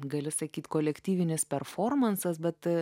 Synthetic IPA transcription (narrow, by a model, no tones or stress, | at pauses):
ɡɐlʲɪsɐkʲiːt̪koːlʲɛkt̪ʲiːʋʲɪnʲɪspʲɛɾfoːrmɐnsɐsbʲɛt̪